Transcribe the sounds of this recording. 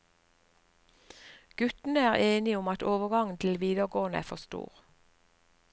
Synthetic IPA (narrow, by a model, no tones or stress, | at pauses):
ɡ̥ʉt̪n̩əæːʁeːnɪʊmɑt̪oːʋəɡɑŋn̩t̪ʰl̩ʋiːd̪əʁɡoːnəæ̰ːfɔst̪ṵːʁ